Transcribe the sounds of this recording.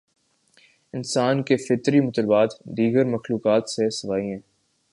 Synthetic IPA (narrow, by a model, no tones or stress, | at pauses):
ɪnsaːnkefɪt̪ɾimʊt̪ələbaːt̪d̪iːɡəɾmɐxluːkaːt̪sesɐʋaːiɦɛ̃ː